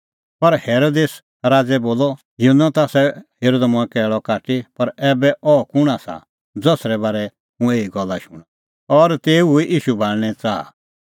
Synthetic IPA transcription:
pɐɾheːɾoːd̪eːs | ɾaːd͡zɛboːlɔ | jiɦunːat̪aːsɛheːɾoːd̪amũɛ̃kɛːɭɔkaːʈipɐɾɛːbɛʔɔkʊɽ̃asa̰ | d͡zɔsɾɛbaːɾɛ | mũeːiɡɔlːaʃʊɽ̃ | ɔɾt̪eːuiʔiːʃubʱaːlñɛt͡saːa̰

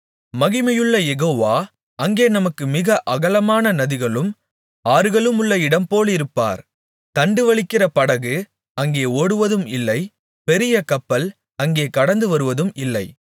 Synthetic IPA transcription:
mɐɣɪmɐjɯɭːɐjɛɣoːʋaː | ɐŋɡeːnɐmɐkːɯmɪɣɐʔɐɣɐlɐmaːnɐnɐðɪɣɐɭɯm | aːɾɯɣɐɭɯmʊɭːɐɪɽɐmpoːlɪɾɯpːa̰ːɾ | t̪ɐɳɖɯʋɐɭɪkːɪrɐpɐɽɐɣɯ | ɐŋɡeːoːɽɯʋɐðɯmɪlːɐɪ | pɛɾɪjɐkɐpːɐl | ɐŋɡeːkɐɽɐnd̪ɯʋɐɾɯʋɐðɯmɪlːɐɪ

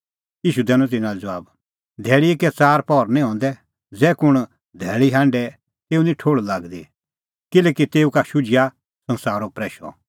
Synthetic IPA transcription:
iːʃud̪ɛːnɔ̃t̪̬ɪnãd͡zʋaːb | d̪ʱɛːɭiekɛt͡saːɾpɔːɾnĩɦɔ̃ːn̆d̪ɛ | d͡zɛːkʊɽ̃ | d̪ʱɛːɭiɦãːɳɖɛ | t̪eːunĩʈʰoːɽlaːɡd̪i | kɪlɛːkit̪eːukaʃʊd͡ʒɪja | sɐ̃nsaːɾopɾɛːʃɔ̰

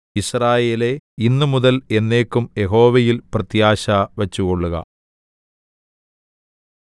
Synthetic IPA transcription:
israːje̞ːle̞inːumuðɐle̞nːe̞ːkːumje̞ɦo̞ːʋɐjilprɐt̪jaːɕɐʋɐt͡ɕːuɣo̞ɭːuɣɐ̰

